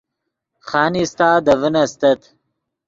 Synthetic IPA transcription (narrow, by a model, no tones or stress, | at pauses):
χaːnist̪aːd̪ɐvənɐst̪ɐt̪